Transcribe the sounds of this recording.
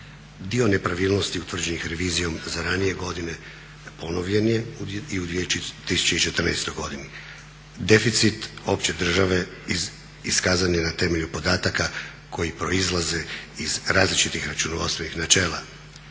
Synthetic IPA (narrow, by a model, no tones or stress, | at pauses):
d̪io̞ne̞pɾaʋiːlˠno̞st̪iut̪ʋr̩d͡ʑe̞nixɾe̞ʋiːzijo̞mzaɾanije̞ɡo̞d̪ine̞ | po̞no̞ʋʎe̞nje̞iud̪ʋiet̪isu̥t͡ɕeit͡ʃe̞t̪r̩nɛ̰jst̪o̞jɡo̞d̪ini | d̪e̞fit̪sit̪o̞pt͡ɕe̞d̪r̩ʒaʋe̞iz | iskaːzaɲenat̪e̞me̞ʎupo̞d̪aːt̪aka | kʰo̞jipɾo̞izlˠaze̞izɾaːzlit͡ʃit̪ixɾat͡ʃunoʋost̪ʋe̞nixnat͡ʃe̞ːla